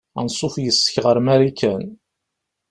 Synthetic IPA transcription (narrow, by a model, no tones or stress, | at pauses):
ænsˤofjəsːə̥çʁəɾmæɾikːæn